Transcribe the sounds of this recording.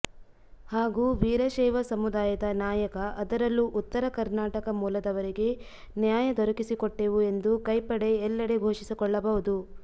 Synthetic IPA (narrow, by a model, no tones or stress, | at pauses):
haːɡuːʋiːɾɐʃɛːʋɐsɐmud̪aːjɐd̪ɐnaːjɐkɐʔɐd̪ɐɾɐlːuʔut̪ːɐɾɐkɐɾnaːʈɐkɐmuːlɐd̪ɐʋɐɾiɡe̞ | njaːjɐd̪ɔɾɐkisikɔʈːeʋue̞nd̪ukɐjpɐɽe̞ːlːɐɽe̞ɡʱoːʃisikɔɭːɐbɐɦud̪u